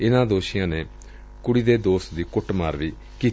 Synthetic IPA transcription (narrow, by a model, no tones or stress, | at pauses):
ɪnãːd̪oːʃɪjãːneː | kʊɽiːd̪eːd̪oːst̪d̪iːkʊʈma̰ːɾʋiː | kiː